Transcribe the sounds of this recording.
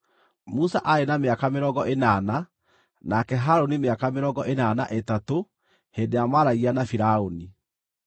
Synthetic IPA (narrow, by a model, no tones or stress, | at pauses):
musaʔaenameakameɾɔːɡɔʔenana | nakɛɦaɾonimeakameɾɔːɡɔʔenana̰ʔetato | heːndejamaɾaianafiɾaoni